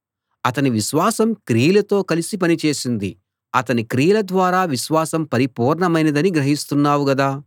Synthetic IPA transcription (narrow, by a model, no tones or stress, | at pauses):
ɐt̪ɐniʋiʃʋaːsɐmkɾiːlɐt̪o̞ːkɐlisip̬ɐnit͡ʃe̞ːsind̪i | ɐt̪ɐnikɾiːlɐd̪ʋaːɾaːʋiʃʋaːsɐmpɐɾipuːɾɳɐmɐjnɐd̪ɐniɡɾɐɦist̪unːaːwuɡɐd̪aː